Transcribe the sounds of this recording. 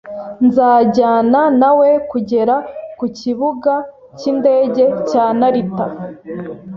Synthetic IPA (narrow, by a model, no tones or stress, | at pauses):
nzaːɟaːnanawe̞kuɟe̞ɾakuciβuɡa | cinde̞ːɟe̞caːnaɾita